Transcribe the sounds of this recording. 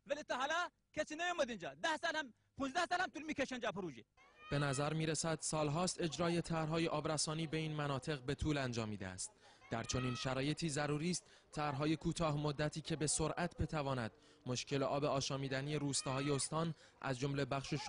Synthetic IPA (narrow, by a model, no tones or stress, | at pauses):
vælit̪ːɑɦælæ | kʲʰesiːnejumod̪ind͡ʒɑd̪æhsɑːlhæm | pʰunzd̪æhsɑːlhæmt̪ʰuːlmiːkʲeʃend͡ʒæpʰoɾuːd͡ʒeb̥e̞næzæɾmiːɾesæd̪̥sɒːlɦɒːst̪e̞d͡ʒɾɒːje̞t̪ʰæɾɦɒːjeʔɒːbɾæsɒːniːbe̞iːnmænɒːt̪ʰe̞ɣbe̞t̪ʰuːlænd͡ʒɒːmːiːd̪ḛæ̰st̪̚ | d̪̥æɾt͡ʃʰo̞niːnʃæɾɒːje̞t̪ʰiːzæɾuːɾiːst̪ | t̪ʰæɾɦɒːje̞kʰuːt̪ʰɒːɦmod̪ːæt̪ʰiːcʰe̞be̞so̞ɾʔæt̪ʰbe̞t̪ʰævɒːnæd̪̥̚ | mo̞ʃcʰe̞leʔɒːbeɒːʃɒːmiːd̪æniːe̞ɾuːst̪ɒːɦɒːje̞ost̪ɒːn | ʔæ̰zd͡ʒo̞mle̞bæχʃeʃ